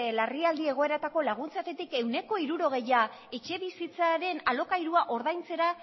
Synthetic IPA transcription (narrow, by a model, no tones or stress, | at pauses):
lariald̪ie̞ɣ̞o̞e̞ɾat̪ako̞laɣ̞unt͡sat̪e̞t̪ike̞wne̞ko̞iɾuɾo̞ɣ̞e̞jae̞t͡ʃe̞βisit͡saɾe̞nalo̞kajɾuaʔo̞ɾðajnt͡se̞ɾa